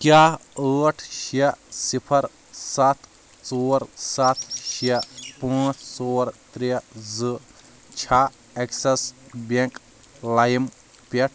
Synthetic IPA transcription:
kjaːəːʈʰʃesipʰɐɾ | sat̪ʰ | t͡soːɾsat̪ʰʃepãːt͡ʃt͡soːɾt̪ɾizɨ | t͡ʃʰa | eksɐsbeŋk | lajm | peʈ̚ʰ

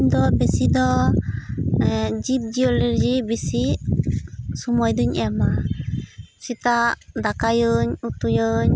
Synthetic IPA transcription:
ɲd̪ɔbɛsid̪ɔ | d͡ʒip̚d͡ʒiɔliɾd͡ʒibisi | sumɔjd̪uɲɛama | sit̪aʔd̪akajəɲut̪ujəɲ

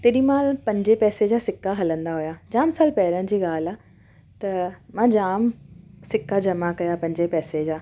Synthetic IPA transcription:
t̪eːɗĩmaːlpɐ̃ɲd͡ʑepɛːsed͡ʑaːsɪkːaɦɐlə̃nd̪aɦojaːd͡ʑaːmsaːlpɛːɾəɽ̃ɪ̆d͡ʑiːɠaːla | t̪ɐmãːd͡ʑaːmsɪkːad͡ʑɐmakɐjapɐ̃ɲd͡ʑepɛːsed͡ʑaː

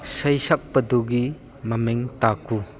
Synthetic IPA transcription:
sɐjsɐk̚pɐduɡi | mɐmeŋtaku

